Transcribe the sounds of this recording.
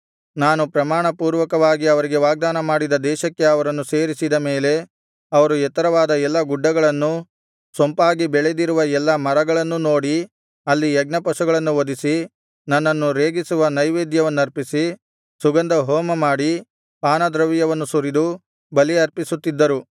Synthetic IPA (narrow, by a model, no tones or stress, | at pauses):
naːnupɾɐmaːɳɐpuːɾʋɐkɐʋaːɡiɐʋɐɾiɡe̞ʋaːɡ̚d̪aːnɐmaːɽid̪ɐd̪ɛːʃɐkːe̞ɐʋɐɾɐnːuseːɾisid̪ɐme̞ːle̞ | ɐʋɐɾuɛt̪ɐɾɐʋaːd̪ɐɛlːɐɡuɖːɐɡɐɭɐnːu | sompaːɡibɛɭed̪iɾuʋɐɛlːɐmɐɾɐɡɐɭɐnːuno̞ːɽi | ɐlːiɛɡ̚nɐpɐsuɡɐɭɐnːuod̪isi | nɐnːɐnːuɾeːɡisuʋɐnɐjʋeːd̪jɐʋɐnːuɐɾpisi | suɡɐnd̪ɐɦoːmɐmaːɽi | paːnɐd̪ɾɐʋijɐʋɐnːusuɾid̪u | bɐliɐɾpisut̪ːid̪ːɐɾu